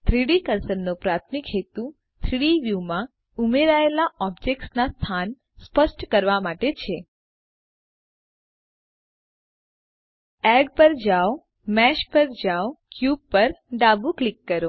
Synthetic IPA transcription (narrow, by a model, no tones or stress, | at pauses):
t̪ʰɾiɽikəɾsəɾnopɾat̪ʰmikɦet̪u | t̪ʰɾiɽiʋjumã | umeɾaelaʔɔbd͡ʒek̚ʈsnast̪ʰan | spəʃʈkəɾʋamaʈet͡ʃʰe | ɛɖpəɾd͡ʒao | mɛʃpəɾd͡ʒaokjub̚pəɾɖabuklikːəɾo